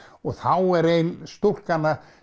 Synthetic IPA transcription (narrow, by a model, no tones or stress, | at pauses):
ɔɣθawɛɾejnst̪ur̥kanːa